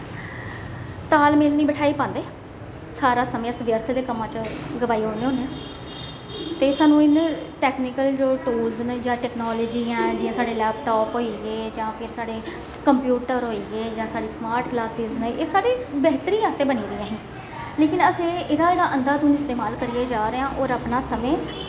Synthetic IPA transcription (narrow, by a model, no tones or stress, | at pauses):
t̪aːlmeːlnĩːbəʈʰaːiːpãːnd̪eː | saːɾaːsəmẽəsəʋjəɾt̪ʰd̪eːkəmːãːt͡ʃɡəbaːiːɦoːneːoːneː | t̪eːsaːnũːɪnʈɛːknɪkəld͡ʒoːʈuːlznd͡ʒãːʈɛːknoːləd͡ʒiːãːd͡ʒiːãːsaːɖeːlɛːp̚ʈɔːpɦoːiːɡeːd͡ʒãːpʰɪɾsaːɽeː | kəmpjuːʈəɾɦoːiːɡeːd͡ʒãːsaːɽiːsmaːɾʈklaːsɪzneːsaːɽeːbɛɦt̪əɾiːaːst̪ẽːbəniːɾijãːɦĩː | leːkɪnəsẽːeːɾaːeːɽaːʔənd̪aːt̪ũːnɪst̪eːmaːlkəɾiːaːd͡ʒaːɾeːãːʔɔːɾaːpnaːsəmẽː